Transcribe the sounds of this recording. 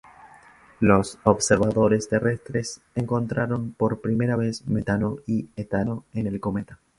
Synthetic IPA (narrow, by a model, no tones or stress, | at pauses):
lo̞sobseɾβaðo̞ɾe̞st̪e̞rest̪ɾe̞s | eŋko̞nt̪ɾʔaɾo̞mpo̞ɾpɾime̞ɾaβesme̞t̪ano̞iet̪ano̞ene̞lko̞met̪ḁ